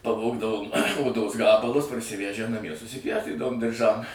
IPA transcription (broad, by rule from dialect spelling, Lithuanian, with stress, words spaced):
pɐˈʋoːɡdɐʋoːm oːˈdoːs ˈɡɑːbɐlˠʊs pɐrʲsʲɪˈʋʲæʒʲæː nɐˈmʲiɛ sʊsʲɪˈpʲjɛʊsʲtʲiːdɐʋoːm dʲɪrˈʒɐm